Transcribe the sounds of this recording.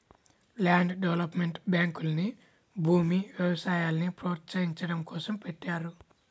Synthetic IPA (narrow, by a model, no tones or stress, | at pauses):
laːɳɖɖeʋɐlɐpmeɳʈbjaːŋkulɐni | bʱuːmiʋjɛbɐsaːjaːlɐnipɾoːt̪sɐjiɲt͡ʃɐɽɐmkɔːsɐmpeʈːaːɾu